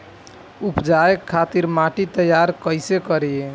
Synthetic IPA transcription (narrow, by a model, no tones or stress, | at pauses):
upd͡ʒaekʰːat̪iɾmaʈit̪əjaɾkəjsekəɾie